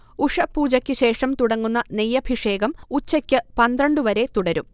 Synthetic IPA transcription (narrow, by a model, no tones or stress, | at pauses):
uʂɐpːuːd͡ʑɐkʲːɨɕe̞ːʂɐmt̪uɽɐŋːunːɐnejːɐbʱiʂe̞ːɡɐmut͡ɕːɐkʲːɨpɐnd̪rɐɳɖɨʋɐɾe̞t̪uɽɐɾum